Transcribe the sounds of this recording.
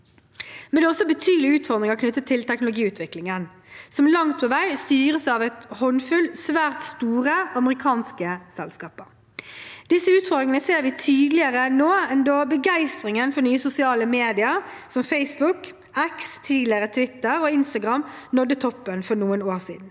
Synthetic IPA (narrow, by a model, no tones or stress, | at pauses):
mɛnd̪ɛːɔsːɔbət̪ʰyːd̪əlɪʉːt̪fɔʁd̪ɾɪŋɑknʏt̪ːət̪ʰɪlt̪ʰɛknʊlʊɡiːʉːt̪ʰʋɪklɪŋən | sɔmlɑŋt̪̚pʰɔʋæɪst̪yːʁəsɑːʋɛt̪hɔnfʉlsʋæːʁt̪st̪uːʁəʔɑməʁɪkʰɑːnskəsɛlskɑːpəʁ | d̪̥ɪsːəʉːt̪fɔʁd̪ʁɪŋənəseːɾʋɪt̪ʰiːd̪lɪəʁənoːɛnd̪oːbəɡæɪst̪ʁɪŋənfɔɾnyːəsʊsɪɑːləmeːd̪ɪəɾsɔmfɛɪsbʊk | ɛkst̪ʰiːd̪lɪəʁət̪ʰʋɪt̪ːəɾɔːɪnst̪ɑɡʁɑmːnɔd̪ːət̪ʰɔpːənfɔɾnuːənoːʁsḭːd̪n̩